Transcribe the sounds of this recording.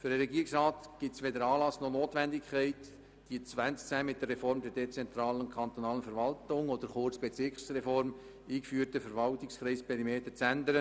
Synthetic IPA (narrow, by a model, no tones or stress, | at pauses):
fʏɾdəɾɛɡiːəɾɪksɾɑːtɡ̥ɪtsʋedəɾɑːlɑsnonoːtvɛndɪkʰχɛɪt | d̥iət͡svænst͡sæːmɪt̚d̥ərɛfɔɾmd̪ɛɾdet͡sɛnt̪ɾɑːlənkʰɑnt̪onɑːlənfəɾvɑltʊŋɔd̪əɾχʊrt͡sb̥ɛt͡sɪksɾɛfɔɾm | iːkfyːəɾtəfəɾvɑltɪkskɾɛɪspʰɛɾimeːtət͡sænd̪əɾə